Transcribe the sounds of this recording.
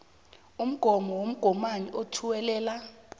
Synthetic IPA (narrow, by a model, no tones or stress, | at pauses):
um̩ɡ̥ʱɔmɔwom̩ɡ̥ʱɔmaniʔotʰuwɛlɛːla